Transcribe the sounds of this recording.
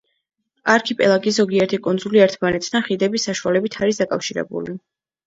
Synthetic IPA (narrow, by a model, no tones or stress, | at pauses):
aɾkʰipʼɛ̰lˠaɡiszɔɡiɛɾt̪ʰikʼund̪zuliɛɾt̪ʰmanɛt̪ʰd̪anχid̪ɛbisaʃualɛbit̪ʰaɾis̬d̪akʼafʃiɾɛ̰bṵli